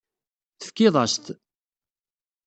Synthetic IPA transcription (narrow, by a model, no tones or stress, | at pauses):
θə̥fkːɪðˤɑst̪